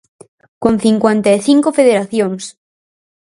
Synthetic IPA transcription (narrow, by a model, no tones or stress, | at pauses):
kõn̟θiŋkwent̪aeθiŋkofeðeɾaθjoŋs